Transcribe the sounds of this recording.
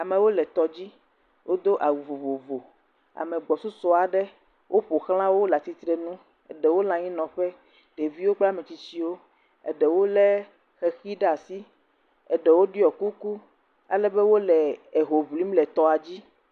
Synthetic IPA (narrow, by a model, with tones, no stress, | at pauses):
a˨mẽ˨wo˦lɛ˨t̪ɔ˨d͡ʑi˦ | wʔo˦d̪o˦ʔa˨wu˨vo˨vo˨vo˨ | a̰˨mẽ˨ɡ͡bɔ˨su˦sɔ˦a˨ɖɛ˦ | wʔo˦ɸo˨xlã˦wo˦la˨t̪i˦t̪ɾɛ˦nũ˦ | ɛ̰˨ɖɛ˨wo˦lã˨ɲĩ˦nɔ̃˨ɸɛ˦ | ɖ̥e˨vi˦wo˦k͡pla˦mɛ̃˨t͡ɕi˦t͡ɕi˦wo˦ | ɛ̰˨ɖɛ˨wo˦lɛ˦ | xɛ˨xi˦ɖa˨si˦ | ɛ˨ɖɛ˨wo˦ɖi˦ɔ˨ku˦ku˦ | a̰˨lɛ˦bɛ˦wo˦lɛ˨e˨ɦo˨vli˦mlɛ˨t̪ɔ˦a˨d͡ʑi˦